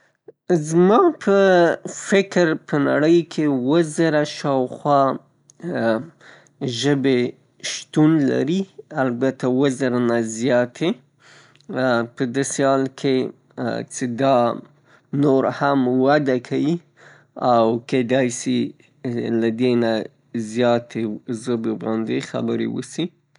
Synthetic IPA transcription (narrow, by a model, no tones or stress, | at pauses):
zmɑpʰəfɪkɾpʰəna̰ɽəjkʰewəzəɾaʃɑwxwɑ | ʒəbe | ʃt̪unla̰ɾialbat̪awəzəɾanazjɑt̪ʰe | pəd̪ɑsehɑlkʰe | t͡ʃed̪ɑ | noɾhamwad̪akʰawi | awked̪ɑjsi | lad̪ena | zjɑt̪ʰezobebɑnd̪exa̰bəɾḛwə̰si